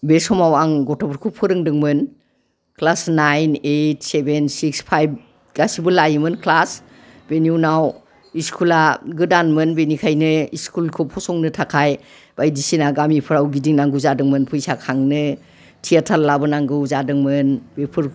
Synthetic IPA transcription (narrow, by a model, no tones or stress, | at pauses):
besɔmawaŋɡɔtʰɔbɯɾkʰupʰɯɾɯŋdɯŋmɯn | kʰlasnajnejt̚ʰsebensikspʰajb̚ | ɡasibɯlajimɯnkʰlas | benjunaw | iskʰulaɡɯdanmɯnbenikʰajnɯiskulkʰɯpʰɔsɔŋnɯtʰakʰaj | bajdisinaɡamipʰɯɾawɡidiŋnaŋɡɯzadɯŋmɯnpʰɯjsakʰaŋnɯ | tʰijatʰallːabɯnaŋɡɯwzadɯŋmɯnbepʰɯɾ